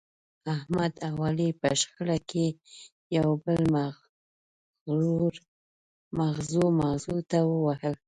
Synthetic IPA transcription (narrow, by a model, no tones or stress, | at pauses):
ahmad̪awɑlipə̰ʃxəɽakʰe | jawbəlm | uɾ | maɣzumaɣzut̪awəwahəl